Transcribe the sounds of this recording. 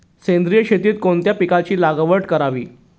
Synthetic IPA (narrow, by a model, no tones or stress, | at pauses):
sẽnd̪ɾijəɕet̪iːt̪̚kont̪japikat͡ɕiːlaɡəʋəʈkəɾaʋḭː